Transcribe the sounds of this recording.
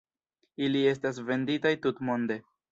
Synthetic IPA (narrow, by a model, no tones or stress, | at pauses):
ilie̞s̬tas̬ve̞nditajtutmo̞nde̞